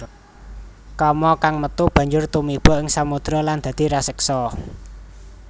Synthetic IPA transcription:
kɔmɔkaŋmət̪ub̥ä̤ɲd͡ʒʊrt̪umib̥ɔ̤ʔɪŋsamud̪̥ɾɔland̪̥ä̤d̪̥i̤ɾasəksɔ

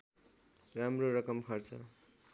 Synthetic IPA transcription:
ramroɾʌkʌmkʰʌrt͡sʰʌ̰

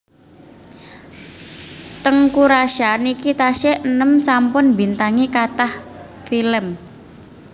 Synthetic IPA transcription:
t̪əŋkuɾaʃanikit̪aʃɛʔənəmsampʊnbint̪aŋikat̪ah | filəm

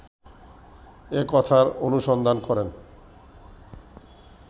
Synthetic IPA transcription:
ekɔt̪ʰaɾonuʃɔnd̪ʱankɔɾen

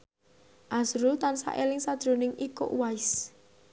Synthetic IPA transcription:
ʔasɾʊlt̪ansa̰ʔelɪŋsad̥ʒ̥ɾo̤nɪŋiko̰ʔwaɪs

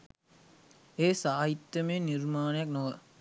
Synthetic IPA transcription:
eːsaːɦit̪ːjəmeːnirmaːnəjak̚noʋə

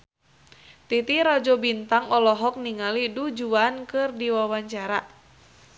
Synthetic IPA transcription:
t̪it̪iɾad͡ʒɔbint̪aŋɔlɔɦɔk̚niŋalidud͡ʒuankɨrdiwawaɲt͡ʃaɾa

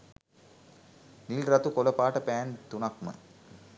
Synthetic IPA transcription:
niːlɾɐt̪ukɔlɐpːaːʈːɐpaːnt̪unɐk̚mɐ̰

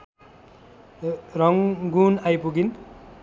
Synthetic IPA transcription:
ɾʌŋɡunajpuɡin

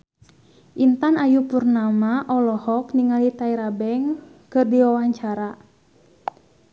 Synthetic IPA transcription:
ʔint̪anajupurnamaʔɔlɔhɔkniŋalit̪aiɾabɛŋkɨrdiwawaɲt͡ʃaɾa

